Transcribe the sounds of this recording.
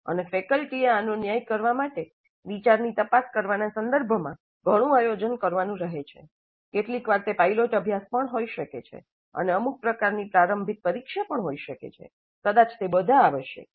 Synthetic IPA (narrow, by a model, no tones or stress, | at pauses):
ə̰nefekəlʈieanonjajkəɾʋamaʈe | ʋit͡ʃaɾnit̪əpaskəɾʋanasənd̪əɾbʱəmã | ɡʱəɽ̃ũajod͡ʒənkəɾʋanũɾəɦet͡ʃʰḛ | keʈlikʋaɾt̪epailoʈəbʱjaspəɳɦoiʃəket͡ʃʰḛ | ə̰neəmuk̚pɾəkaɾnipɾaɾəmbʱit̪̚pəɾikʃapəɳɦoiʃəkḛt͡ʃʰḛ | kəd̪at͡ʃt̪ebəd̪ʱaːʋəʃḛ